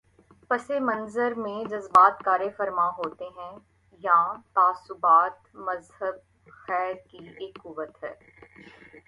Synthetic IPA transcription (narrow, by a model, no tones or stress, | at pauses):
pɐsemɐnzəɾmẽd͡ʒɐzbaːt̪kaːɾefɐɾmaɦoːt̪eɦɛ̃ː | jãːt̪aːsʊbaːt̪mɐzhəb̚ | xɛːɾkieːkːʊʋət̪ɦɛː